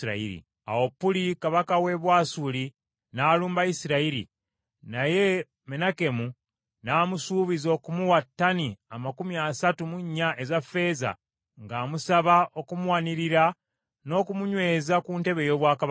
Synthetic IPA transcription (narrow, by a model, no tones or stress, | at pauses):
ɾa̰ḭɾḭ | a̰wopːulikaβakawe̞βwaːsuli | naːluːmbaisiɾaiɾḭ | naje̞ | me̞nake̞mu | naːmusuːβizo̞kumuwatːaniamakumiasatumuɲːaʔe̞zafe̞ːza̰ | ŋɡaːmusaβaʔo̞kumuwaniɾiɾa | no̞ːkumuɲwe̞ːzakuːnte̞βe̞jo̞ːβwaːka